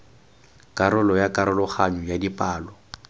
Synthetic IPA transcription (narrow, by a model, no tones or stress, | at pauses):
kʼaɾʊlɔjakʼaɾʊlɔχaɲɔjadipʼaːlɔ